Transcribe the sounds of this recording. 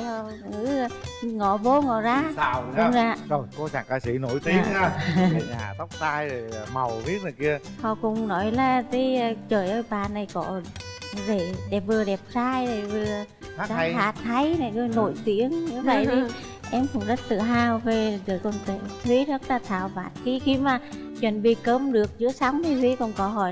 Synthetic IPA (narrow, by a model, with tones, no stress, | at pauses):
hɔ˧˨ | ɨ̰˧˦˧ŋɔ˧˩ɓo˧ŋɔ˧˩zaː˧˨˩ʊ̰˧˥ŋ͡mzaː˧zo˨˩jko˧t͡ɕa˧˩ŋkaː˧˩sḭ˧˦no˧˦jt̪i˧˩əa˨˧˦ɲa̰ː˨˩t̪a˦˥wk͡p̚saː˧jzo˨˩jma˨˩wvi˦˥ət̚nə˨˩ki˧ə | hɔ̰˧˨kʊ̰˧˥wŋ͡mnɔ˨˦jlaː˨˩t̪i˨˦˧t͡ɕəː˨˩jʔəː˧jɓaː˨˩na˨˩jkɔ̰˧˩˦ve˧˩ɗɛ˨˩p̚vɨ˨˩əɗɛ˨˩p̚zaː˧jzə˧˨˩vɨ˨˩ə˨˦ | zaː˧˦˨jhaː˧˨˩t̪ʰə˨˦jna˨˩jkə˧no˧˩jt̪i˧˥əŋɲɨ˧˦və̰˧˨jt̪ʰi˨˦ | ʔɛ˧mkʊ̰˧˩wŋ͡mzə˦˥t̚tɨ̰˧˨ɦaː˧˩wve˨˩zɨː˨˩kɔ˧˨˩nt̪ɨ˧˨˩t̪ʰwi˧˨˦tə˦˥t̚laː˨˩t̪ʰa̰ː˧˩wva̰ː˨˩n̚xi˧xi˧maː˨˩ | t͡ɕwə̰˧˩nɓi˧˩kəː˧mɗɨ˨˩ək̚zɨ̰˧˥əsa˨˦wŋ͡mt̪ʰi˨˩t̪ʰwi˨˦kɔ˧˩nkɔ˧˩ɦɔ̰˧˩